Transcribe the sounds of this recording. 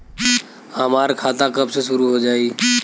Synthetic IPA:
amaːɾkʰaːt̪akəbseʃʊɾuɦod͡ʒaːiː

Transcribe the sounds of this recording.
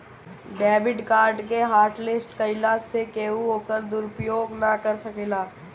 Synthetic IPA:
ɖɛːbɪɖkaːɾɖkeɦaːɾʈlɪsʈkɐɪlasekeːuɦoːkəɾd̪ʊɾʊpɾjoːɡnakɐɾsɐkelaː

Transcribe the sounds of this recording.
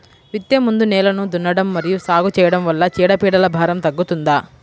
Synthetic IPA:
ʋit̪jemund̪unɛːlɐnud̪unːɐɽɐmːɐɾijusaːɡut͡ʃɛːjɐɽɐmʋɐlːɐt͡ʃiːɽɐpiːɽɐlɐbʱaːɾɐmt̪ɐɡːut̪und̪aː

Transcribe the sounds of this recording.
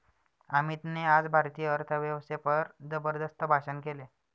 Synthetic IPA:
amit̪nead͡zbʱaɾt̪ijəəɾt̪ʰəʋjəʋsepəɾd͡zəbəɾd̪əst̪əbʱaɕənkele

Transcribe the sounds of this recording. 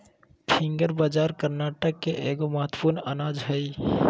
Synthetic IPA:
pʰĩŋɡəɾbad͡ʒaɾkəɾnaʈəkːeʔeɡoməɦət̪wə̥puɾnənad͡ʒɦəi

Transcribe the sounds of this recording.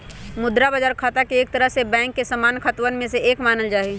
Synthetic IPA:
mʊd̪ɾabad͡ʒaːɾkʰaːt̪akeeːk̚t̪əɾəɦsebɛ̃ːŋkːesɐmaːnkʰət̪wənmẽseeːkmaːnəld͡ʒaːɦi

